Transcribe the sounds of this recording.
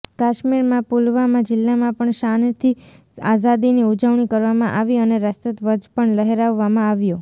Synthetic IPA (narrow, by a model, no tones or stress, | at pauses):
kaʃmiɾmãpulʋamãd͡ʒɪlːamãpəɳʃant̪ʰi | azad̪iniud͡ʒəʋɳikəɾʋamãʔaʋiəneɾəst̪ət̪ʋəd͡ʒpəɳləɦeɾaʋːamãaʋjo